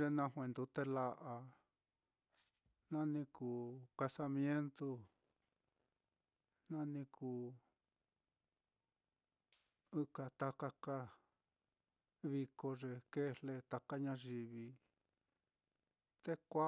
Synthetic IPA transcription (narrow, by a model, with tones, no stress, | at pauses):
ʐe˧nã˧ɦwẽ˨˧nd̪u˨˧˦t̪e˧la˧ʔa˧ | nã˦nĩ˧kuː˨ka˧sa˧mj̃ẽ˦nt̪u˧ | nã˦nĩ˧kʰuː˧˨ | ɨ˦ka˧t̪a˧ka˧ka˦ | βi˧ko˧ʐe˧ke˦le˧t̪a˧ka˦ɲã˧ʒi˧βi˧ | t̪e˦kʷa˦